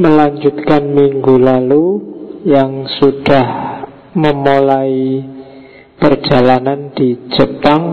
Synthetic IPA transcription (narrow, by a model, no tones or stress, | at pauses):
məlaɲd͡ʒut̪kanmiŋɡulalujaŋsud̥ah | məmolai | pər̥d͡ʒ̥a̤lanand̪̥id͡ʒ̥əpaŋ